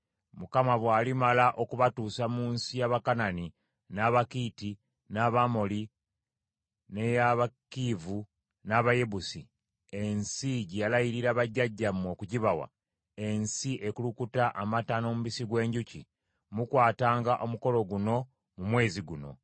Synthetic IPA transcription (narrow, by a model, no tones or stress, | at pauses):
mukamaβwaːlimalaʔokuβatuːsamuːnsijaβakanani | naβakiti | naβamo̞li | ne̞jaβakivu | naβaje̞βusi | e̞nsiɟejalajiɾiɾaβaɟːaɟːamo̞kuciβawa̰ | e̞nsiʔe̞kulukutaʔamatano̞muβisiɡwe̞ːɲɟuci | mukwaːtaːŋɡaʔo̞muko̞lo̞ɡuno̞ | mumwe̞ːziɡuno̞̰